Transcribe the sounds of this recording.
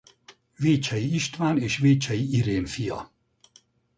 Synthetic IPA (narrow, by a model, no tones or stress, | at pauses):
veːt͡ʃɛjiiʃt̪vaːneːʃveːt͡ʃɛjiiɾeːnfijɒ̰